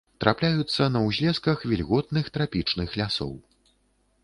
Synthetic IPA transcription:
t̪ɾʔa̰plʲajut̪sːɐnɐwzʲlʲɛskɐxvʲilʲɣɔt̪̚nɨxt̪ɾapʲit͡ʂnɨxlʲasɔ̰w

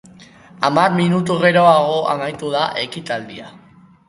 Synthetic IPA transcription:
amaɾminut̪̬uɣe̞ɾo̞aɣo̞ʔa̰majt̪uðaʔe̞kit̪ald̪ia

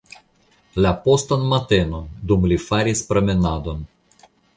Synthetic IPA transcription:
lapo̞st̪anmat̪e̞nond̪umlifaɾispɾemenad̪o̞n

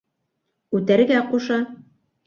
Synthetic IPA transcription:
ʉt̪æɾɡæquʃɑ

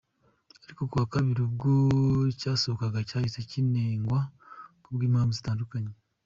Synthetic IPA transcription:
aɾiko̞kuβakaβiɾibɡocaːsoβokaɡacaːhit͡secineːŋɡwakuβɡiːmhaːmvuzitaːndukaɲe

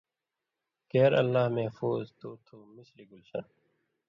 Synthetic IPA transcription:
keːɾə̰lːaːɦmɛfuːzt̪oːt̪ʰoːmɪsliɡʊlsə̰n

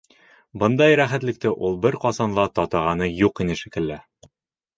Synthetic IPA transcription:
bɤ̆nd̪ɑjɾæχæt̪lɘ̆k̚t̪ɘʔulˠbɘɾqɒzɑnlˠɑt̪ɒt̪ɑʁɑnɤjuqinɘʃikɘ̆lːæ

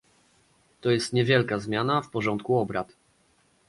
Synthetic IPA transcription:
t̪ɔjɛst̪ɲɛvʲjɛlkazmʲjanafpɔʐɔnt̪̚kuɔbɾat̪

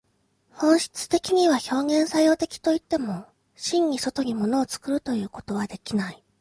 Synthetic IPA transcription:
hõ̞ɰ̃ɕi̥t͡sɨ̥t̪e̞kʲiɲ̟iβ̞aço̞ːɡẽ̞ɰ̃sajo̞ːt̪e̞kʲi̥t̪o̞it̪ːe̞mo̞ | ɕĩɲ̟ːiso̞t̪o̞ɡʲimo̞no̞ːt͡sɨ̥kɯ̟ɾɯ̟t̪o̞jɯ̟ːko̞̥t̪o̞β̞ad̪e̞kʲinai

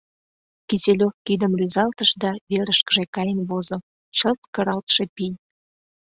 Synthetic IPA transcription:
kiselʲofkid̪əmryzɑlt̪əʃd̪ɑβeɾəʃkəʒekɑjənβozo | t͡ɕəlt̪kəɾɑlt̪ʃepij

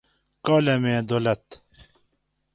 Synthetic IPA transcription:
koːlemẽːd̪olɐt̪

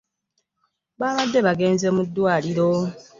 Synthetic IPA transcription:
βaːβad̪ːe̞βaɡe̞ːnze̞mudːwaːliɾo̞

